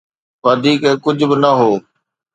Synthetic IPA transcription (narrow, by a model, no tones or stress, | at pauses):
ʋɐd̪ʱiːkɛkʊd͡ʑʱʊ̆bɪnɐɦoː